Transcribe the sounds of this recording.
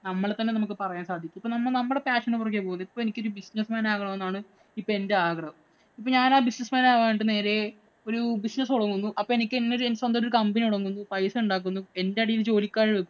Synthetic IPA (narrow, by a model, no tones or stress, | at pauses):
nɐmːɐɭet̪ːɐnːe̞nɐmuk̬ːɨpɐrɐjaːnsaːd̪ʱikʲːumipːoːnɐmːɐɭnɐmːɐɽe̞paːʂɐnːɨpurɐk̬ːjeːpoːunːipːoːe̞nikʲːoɾubisnɐsmaːnaːɣɐɳɐme̞nːaːɳɨ | ipːoːe̞nde̞aːɡrɐhɐm | ip̬ːoɲaːnaːbisnɐsmaːnaːʋeːniʈːɨne̞ːɾe̞ | o̞ɾubisnɐsuɽɐŋːunːuʔɐpːoːenikʲːenːoɾensɐnd̪ɐoɾukɐmbɐniuɽɐŋːunːupɐjsɐuɳɖaːk̬ːunːue̞nde̞ɐɽijilt͡ɕo̞ːlikʲːaːɻiɽɐkːu